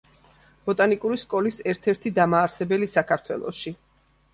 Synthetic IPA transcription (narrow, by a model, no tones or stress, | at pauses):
b̥ɔt̪ʼanikʼuɾiskʼɔlisɛɾt̪ʰɛɾt̪ʰid̪amaːɾsɛbɛlisakʰaɾt̪ʰwɛ̰lˠɔ̰ʃi